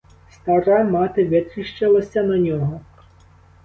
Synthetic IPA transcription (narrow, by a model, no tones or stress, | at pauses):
st̪ɐɾamɑt̪ɪʋʲɪt̪ɾʲiʃt͡ʃɪlˠɐsʲɐnɐnʲɔɦɔ